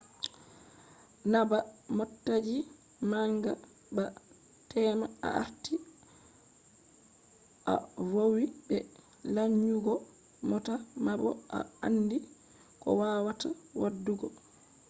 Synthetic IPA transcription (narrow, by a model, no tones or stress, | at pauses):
nabamɔtːad͡ʒi | maŋɡa | ba | tɛːmaa̰a̰ɾti | ʔa̰wowibɛ | laɲːuɡɔ | mɔtamabɔʔa̰a̰nːdi | kɔ̰waːwatawadːuɡɔ